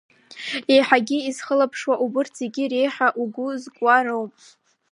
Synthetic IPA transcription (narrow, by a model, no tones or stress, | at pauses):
ejħaɡʲiizχəlapʰʂwaʔubɨrt͡sʰzeɡʲiɾejħaʔuɡʷʊzkʷʼaɾowpʼ